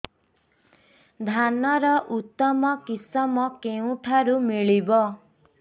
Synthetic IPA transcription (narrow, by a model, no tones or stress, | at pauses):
d̪ʱanɔɾɔʔut̪ːɔmɔkisɔmɔkeũʈʰaɾumiɭibɔ